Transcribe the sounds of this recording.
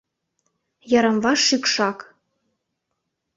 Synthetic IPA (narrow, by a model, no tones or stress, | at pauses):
jɑɾɤ̆mvɑʃykʃɑk